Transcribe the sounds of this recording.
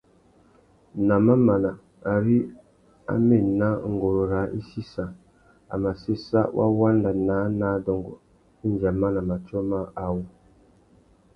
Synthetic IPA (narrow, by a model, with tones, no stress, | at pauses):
na˨ma˦ma˨na˨ | a˨ɾi˦ | a̰˦me˦˨na˦˨ŋ˨ɡo˨ɾo˨ɾa˨˦ʔi˦si˦sa˨ | a̰˨ma˨se˦sa̰˦wʔa̰˦wa˦nda˨naː˨˦na˦dɔ˨ŋɡo̰˨ | i˦nd͡ʒa˨ma˦na˨ma˨t͡ʃo˦ma˦a˨wo˦